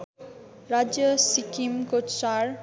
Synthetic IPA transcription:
ɾad͡ʒəsikimkotʃaɾ

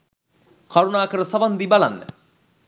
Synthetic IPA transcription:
kaɾunaːkəɾəsaʋand̪ibala̰nːə̰

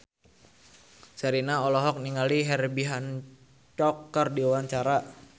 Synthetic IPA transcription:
saɾinaɔlɔɦɔk̚niŋaliɦɛrbiɦan | t͡ʃɔkːərdiuwaɲt͡ʃaɾa

